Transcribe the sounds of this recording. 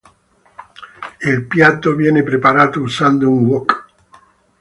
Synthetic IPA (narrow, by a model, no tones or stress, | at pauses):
ilpjat̪ːovjɛːnepɾepaɾaːt̪ousand̪ouŋwɔk